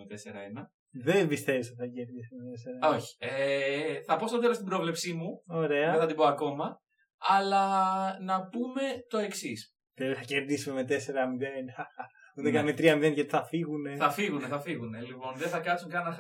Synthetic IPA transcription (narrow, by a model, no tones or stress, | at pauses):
et̪eseɾɐ̰enɐ | ðembist̪e̞vist̪θɐce̞ɾðisumet̪e̞se̞ɾɐo̞çi̥eθɐpo̞st̪ot̪elost̪ibɾo̞vlepsimuo̞ɾe̞ɐeθɐd̪iboɐko̞mɐ | ɐlɐnɐpume̞t̪o̞e̞ksis | pɾepisθɐceɾðisumeme̞t̪e̞se̞ɾɐmiðenɐ | ut̪ekɐnmet̪ɾiɐmiðenʝɐt̪iθɐfiɣune̞θɐfiɣuneθɐfiɣune̞lipo̞nðeθɐkɐsuŋkɐnɐ